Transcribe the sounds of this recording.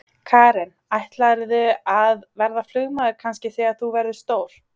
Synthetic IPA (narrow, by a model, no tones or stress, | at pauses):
kʰaːɾɛnajht̪laɾðʏaðvɛɾðaflʏɣmaðʏkʰanscɪθiaθuvɛɾðʏst̪oːwl̥